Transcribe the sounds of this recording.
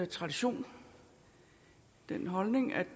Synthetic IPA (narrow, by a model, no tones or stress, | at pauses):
t͡sʰʁɑ̈d̥iɕo̝̰ːn | d̥enɦɒ̽lne̝ŋæ̥